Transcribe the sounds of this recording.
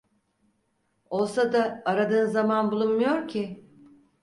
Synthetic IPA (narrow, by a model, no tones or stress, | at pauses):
o̞lˠsad̪aːɾad̪ɯːnzamanbulˠunmujo̞ɾcʰɪ